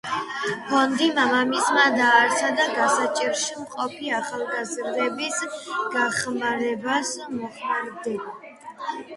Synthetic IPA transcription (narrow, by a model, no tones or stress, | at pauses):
pʰɔnd̪imamamismad̪aːɾtsʰad̪aɡasat͡ʃʼiɾʃimqʼɔpʰiaχalˠɡazɾd̪ɛbisɡ̥aχmaɾɛbasmɔχmaɾd̪ɛba